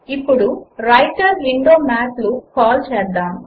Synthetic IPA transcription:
ipːuɽuɾɐjʈɐɾʋiɳɖoːmaːtlukɔːlt͡ʃɛːd̪aːm

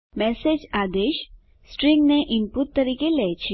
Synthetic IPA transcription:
mɛːsed͡ʒaːd̪eːʃ | sʈɾɪ̃ŋɡneʔɪnput̪ːɐɾiːkeleːt͡ʃʰi

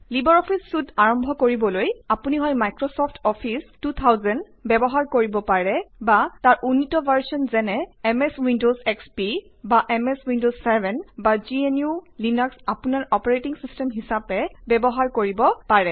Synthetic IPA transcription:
libɔɹɔpʰisːudaɹɔmbʱɔkoɹibɔlojapuniɦɔjmajkɹɔsɔpʰtʰɔpʰistut̪ʰawzɛn | bɛbɔɦaɹkoɹibɔpaɹɛbataɹʔunːitɔbʱaɹsɔnzɛnɛɛmɛswindozɛkspi | baʔɛmɛswindozsɛbʱɛnbazienjulinɔksapunaɹɔpɔɹetiŋsistɛmɦisapɛbɛbɔɦaɹkoɹibɔpaɹɛ

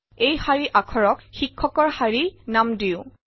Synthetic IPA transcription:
ejhaɹiʔakʰɔɹɔkxikʰːɔkɔɹhaɹinamdiʊ̃

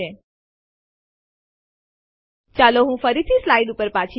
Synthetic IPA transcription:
e | t͡ʃaloɦũfəɾit̪ʰislaiɖupəɾpat͡ʃʰi

